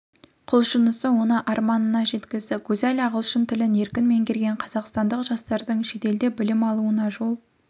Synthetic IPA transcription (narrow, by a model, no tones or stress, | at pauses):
qʰʊlˠʃənəsəwo̞nəʔɑɾmɑnənɑʒe̞t̪kʲɪzd̪ɪɡʲʰɵzælʲɑʁəlˠʃənt̪ʰɪlɪne̞ɾkʲɪnme̞ŋkʲʰeɾɡʲe̞ɴqʰɑzɑqst̪ɑnd̪əqʒ̥ɑst̪ɑɾd̪əɴʃe̞t̪e̞ld̪e̞bɪlɪmɑlˠuənɑʒo̞lˠ